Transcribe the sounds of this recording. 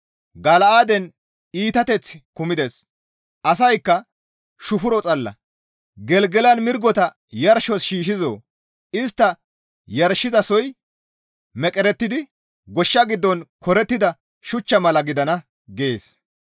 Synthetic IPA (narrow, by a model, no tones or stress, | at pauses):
ɡɐlɐaːd̪ɛn | iːt̪ɐt̪ɛt͡sːkʊmɪd̪es | ʔɐs̬ɐjkːɐ | ʃʊfʊɾɔt͡sʼɐlːɐ̰ | ɡɛlɡɛlɐnmɪɾɡɔt̪ɐ | jɐɾʃɔsʃiːʃɪzo̰ː | ɪst̪ːɐ | jɐɾʃːɪzɐsɔj | mɛkʼɛɾɛt̪ːɪd̪ɪ | ɡɔʃːɐɡɪd̪ːɔnkɔɾɛt̪ːɪd̪ɐ | ʃʊt͡ʃːɐmɐlɐɡɪd̪ɐnɐ | ɡɛḛːs